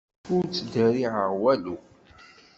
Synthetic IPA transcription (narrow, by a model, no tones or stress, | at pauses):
ʊɾt͡sːd̪əɾiʕəʁwælu